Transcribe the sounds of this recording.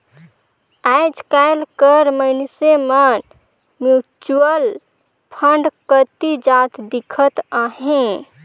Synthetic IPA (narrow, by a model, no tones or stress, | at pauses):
ajd͡ʒkajlkəɾməɪnseman | mjut͡ʃuəl | pʰəɳɖkət̪id͡ʒat̪ʰd̪ikʰət̪aɦẽ